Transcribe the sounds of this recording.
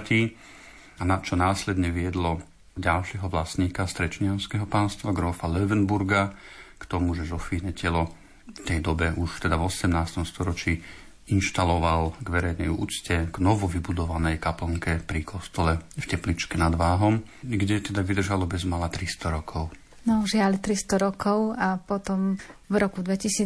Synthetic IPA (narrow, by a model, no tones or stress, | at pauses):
t̪iː | anat͡ʃɔnaːslɛd̪ɲɛʋɪɛd̪lɔ | ɟalʃɪɛɦɔʋlasɲiːkast̪ɾɛt͡ʃɲɪaʊskɛɦɔpaːnst̪ʋaɡɾɔfalɛʋɛnbuɾɡakt̪ɔmuʒɛzɔfiːnɛcɛlɔ | ft̪ɛjd̪ɔbɛʔuʃft̪ɛd̪avɔsɛmnaːst̪ɔmst̪ɔɾɔt͡ʃiː | inʃt̪alɔʋalɡʋɛɾɛjnɛjṵːt͡scɛɡ̥nɔʋɔʋibud̪ɔʋanɛjkapl̩ŋkɛpɾikʰɔst̪ɔlɛfcɛplit͡ʃkɛnad̪ʋaːɦɔmɡɟɛt̪ɛd̪aʋid̪r̩ʒalɔbɛzmalat̪ɾist̪ɔɾɔkʰɔʊ | nɔʒɪalt̪ɾist̪ɔɾɔkɔʊapɔt̪ɔmvɾɔkud̪ʋɛcisiː